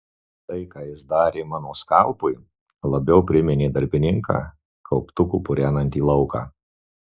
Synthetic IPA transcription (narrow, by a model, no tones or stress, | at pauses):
t̪ɐɪkɑːjɪsd̪ɑːɾʲeːmɑːnoːskɑlˠpʊɪ | lˠɐbʲɛʊpʲɾʲɪmʲɪnʲeːd̪ɐɾʲbʲɪnʲɪŋkɑ̰ː | kʰɐʊpt̪ʊkuːpʊɾʲæːnɐnʲt̪ʲiːlˠɐʊkɑ̰ː